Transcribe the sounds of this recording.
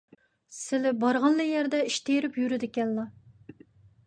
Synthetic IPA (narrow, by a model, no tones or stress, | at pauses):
sɪlɪbɑɾʁɑnlˠɨjɛɾd̪ɛiʃt̪ejɾɪpjyɾɪd̪ɪkʲɛnlˠɑ